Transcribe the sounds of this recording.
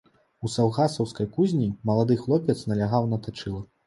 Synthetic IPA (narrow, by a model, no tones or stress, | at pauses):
usawɣasɐwskɐjkuzʲnʲimɐlˠad̪ɨxlˠɔpʲɛt̪snɐlʲaɣawnɐt̪at͡ʂɨlˠɐ